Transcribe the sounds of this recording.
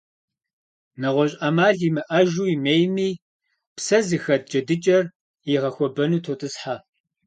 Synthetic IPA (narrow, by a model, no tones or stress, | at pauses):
nɐʁʷɔɕʼɐmaːɮimɨʔɐʒuːimeːjmiː | psɐzɨxɐt̚d͡ʒɐdɨt͡ʃʼɐr | jiʁɐxʷɔbɐnuːtʰotʼɨsħaː